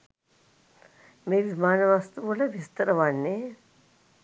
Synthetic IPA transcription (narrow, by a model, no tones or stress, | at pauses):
meʋimaːnɐʋast̪uʋɐlɐʋist̪ɐɾɐʋanːe